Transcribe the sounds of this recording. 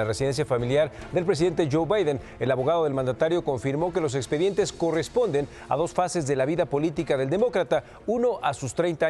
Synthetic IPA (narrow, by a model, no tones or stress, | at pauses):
aresiðe̞ns̬jafamiljaɾðe̞lpɾes̬iðe̞nt̪e̞ʝo̞wβajðen | e̞laβo̞ɣaðo̞ð̞e̞lmãnd̪at̪aɾjo̞ko̞ɱfiɾmo̞ke̞lo̞s̬e̞kspeðje̞nt̪e̞sko̞respo̞nd̪e̞n | a̰ðo̞sfase̞zðe̞laβiðapo̞lit̪ikaðe̞ld̪e̞mo̞kɾat̪a | uno̞ʔasust̪ɾejnt̪a